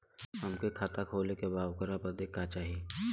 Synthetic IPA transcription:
hɐmkekʰaːt̪akʰoːlekebaːwkəɾapɐɾd̪eːkːat͡ʃaːɦieː

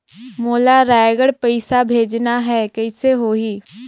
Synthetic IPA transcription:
moːlaɾaːɪɡəɽpɐɪsabʱeːd͡ʒnaɦɛkɐɪseɦoːɦiː

